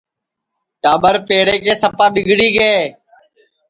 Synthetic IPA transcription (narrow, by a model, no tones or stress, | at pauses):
ʈaːɓəɾpeːɽeːkeːsəpaːɓɪɡʱɽiːɡeː